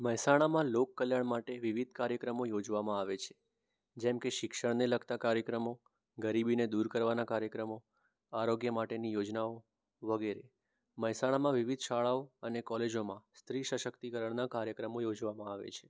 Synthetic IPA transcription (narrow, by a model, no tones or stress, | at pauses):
məɦsaɽ̃amãlokːəljaɳmaʈeʋiʋid̪̚ʱkaɾjəkɾəmojod͡ʒʋamãaʋet͡ʃʰe̥ | d͡ʒɛmkeʃɪkʃəɽneləkt̪akaɾjəkɾəmo | ɡəɾibined̪uɾkəɾʋanakaɾjəkɾəmo | aɾoɡjəmaʈenijod͡ʒnao | ʋəɡeɾe | məjsaɽ̃amãʋiʋid̪ʃaɭaoənekɔled͡ʒomãst̪ɾiʃəʃəkt̪ikəɾəɳnakaɾjəkɾəmojod͡ʒʋamãaʋḛt͡ʃʰe̥